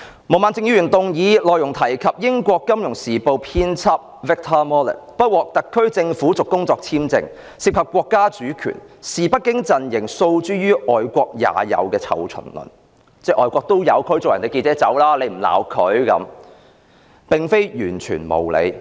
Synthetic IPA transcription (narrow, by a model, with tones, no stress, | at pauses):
mo˨˩maː˨nt͡sɪ˧ŋjyː˧jy˨˩nt̪ʊ˨ŋjiː˨˧lɔː˨jʊ˨˩ŋt̪ʰɐ˨˩jkʰɐ˨p̚jɪ˥ŋkʷɔː˧kːɐ˥mjʊ˨˩ŋsiː˨˩po˧wpʰiː˥nt͡sʰɐ˥p̚vɪ˥k̚t̪ʰɐː˥mɔː˥lɪ̰˨˩t̚pɐ˥t̚wɔː˨k̚t̪ɐ˨kʰːɵ˥ɥt͡sɪ˧ŋfu˨˥t͡sʊ˨kːʊ˥ŋt͡sɔː˧k̚t͡sʰiː˥mt͡sɪ̰˧ŋ | si˨kʰɐ˨p̚kʷːɔː˧kːaː˥t͡ʃyː˨˥kʰy̰ː˨˩nsiː˨pɐ˥t̚kːɪ˥ŋt͡sɐ˨njɪ˨˩ŋso˧wt͡ʃyː˥jyː˥ʔɔː˨jkʷɔː˧k̚ja̰ː˨˧jɐ̰˨˧wkɛː˧t͡sʰɐ̰˨˩wt͡ʃʰɵ̰˨˩nlʊ̰˨˩n | t͡sɛː˥˩ʔɔ̰ː˨˧jkʷɔː˧k̚t̪o˥wjɐ˨˧wkʰɵ˨˥jt͡sʊ˨jɐ̰˨˩nt̪e˨jke˧t͡sɛː˨˥t͡sɐ̰˨˥wlaː˥le˨˧m̩˨˩la̰ː˨˩wkʰɵ˨˥ɥkɐ̰˨˥m | pɪ˨ŋfe˥jjyː˨˩nt͡ʃʰy̰ː˨˩nmo̰˨˩wlḛ˨˧j